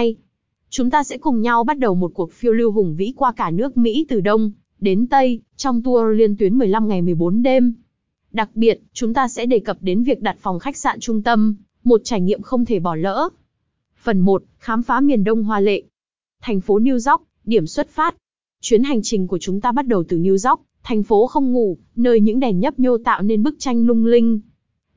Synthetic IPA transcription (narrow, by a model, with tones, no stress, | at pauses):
j | t͡ɕʊ˨˦ŋ͡mt̪aː˧sɛ̰˧˥kʊ˨˩ŋ͡mɲa˧wɓa˦˥t̚ɗə˨˩wmo˨˩t̚ku˨˩ək̚fi˧əwli˧wɦʊ˨˩ŋvḭ˧˥kwaː˧kaː˧˩nɨ˦˥ək̚mḭ˧˥t̪ɨ˨˩ɗə˧wŋ͡m | ɗe˨˦nt̪ə˧jt͡ɕɔ˧wŋ͡mt̪u˧əli˧ənt̪wi˨˦nmɨ˨˩əjla˧mŋa˨˩jmɨ˨˩əjɓo˨˦nɗe˧m | ɗa˨˩k̚ɓi˨˩ət̚t͡ɕʊ˨˦ŋ͡mt̪aː˧sɛ̰˧˥ɗe˨˩kə˨˩p̚ɗe˨˦nvi˨˩ək̚ɗa˨˩t̚fɔ˨˩wŋ͡mxa˦˥k̚sa̰ː˧˨nt͡ɕʊ˧ŋ͡mt̪ə˧m | mo˨˩t̚t͡ɕaː˧˩jŋḭ˧˨əmxə˧wŋ͡mt̪ʰe˧˩ɓɔ˧˩lə̰ː˧˥ | fə˨˩nmo˨˩t̚xaː˨˦mfaː˨˦mi˨˩ənɗə˧wŋ͡mɦwaː˨lḛ˧˨ | t̪ʰa˨˩jŋ̟fo˨˦ni˧əwza˦˥wk͡p̚ | ɗi˧˩əmswə˦˥t̚faː˦˥t̚ | t͡ɕwi˨˦ənɦa˨˩jŋ̟t͡ɕï˨˩ŋ̟ku˧˩ət͡ɕʊ˨˦ŋ͡mt̪aː˧ɓa˦˥t̚ɗə˨˩wt̪ɨ˨˩ni˧əwza˦˥wk͡p̚t̪ʰa˨˩jŋ̟fo˨˦xə˧wŋ͡mŋṵ˧˩˨ | nəː˧jɲɨ̰˧˥ŋɗɛ˨˩nɲə˦˥p̚ɲo˧t̪a̰ː˧˨wne˧nɓɨ˦˥k̚t͡ɕa˧jŋ̟lʊ˧ŋ͡mlï˧ŋ̟